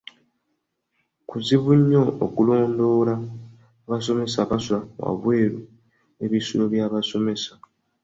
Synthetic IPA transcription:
kuziβuɲːo̞ːkulo̞ːndo̞ːlaː | βaso̞me̞saβasulawa̰βwe̞ːɾu | eβisuloβjaːβaso̞me̞sḁ

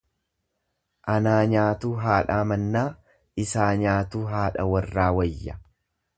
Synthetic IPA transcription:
ʔɐnaːɲaːt̪uːɦaːᶑaːmɐnːaː | ɪsaːɲaːt̪uːɦaːᶑɐwɐrːaːwɐjːɐ

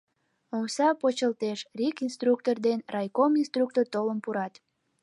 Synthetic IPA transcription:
omsɑpot͡ɕəlt̪eʃrikinst̪ruk̚t̪ord̪enrɑjkominst̪ɾruk̚t̪ort̪oləmpuɾɑt̪

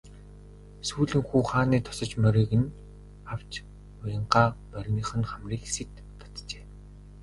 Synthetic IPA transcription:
suːɮɘ̆ŋxuːχaːniːt̪ʰʊ̥sɞ̆t͡ɕmœɾʲiːɣɘ̆n | aw̥t͡ɕ | ʊjə̆ɴɢaːmœrʲniːχɘ̆nχamriːksit̪ːʰɔ̥t̪t͡ɕeː

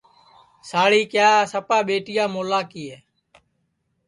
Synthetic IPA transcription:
saːɭiːkjaːsəpaːɓeːʈɪjaːmoːlaːkiːeː

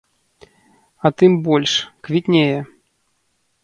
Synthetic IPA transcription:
ɐt̪ɨmbɔlʲʂkvʲit̪ʲnʲejɛ

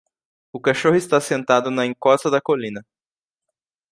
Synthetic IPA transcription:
ʊkaʃohʊɪst̪asẽnt̪ad̪ʊnɐẽŋkɔst̪ɐd̪ɐkolĩnɐ

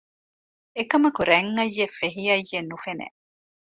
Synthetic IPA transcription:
ekɐmɐkuɾeŋːɐjːefeɦiɐjːenufenḛ

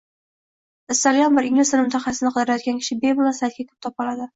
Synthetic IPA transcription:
ɪst̪alijɒnbɪɾɪŋlɪsɪnmʊt̪ʰaχɑsɪnɪqʰɨd̪ɪɾajɒt̪̚kʲankʲʰɪ̥ʃɪbe̞bɪlˠasajt̪̚kʲakʲʰɵ̥p̚t̪ʰɒpɒlad̪ɪ

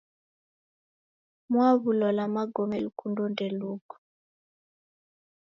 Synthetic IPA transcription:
mwaβulɔlamaɡɔmɛlukundondɛlukɔ̥

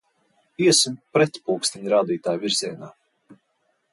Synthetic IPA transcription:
iɛsumpɾɛt̪puːkst̪iɲɾaːd̪iːt̪aːjviɾziɛnaː

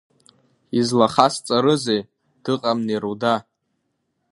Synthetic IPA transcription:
izlaχast͡sʼaɾɨzej | d̥ɨqʼamneɾuda

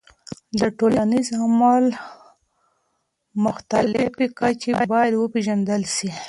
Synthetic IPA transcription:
d̪əʈolanizamɑl | mʊxt̪allɪfikat͡ʃebɑjad̪wəpeʒand̪əlʃi

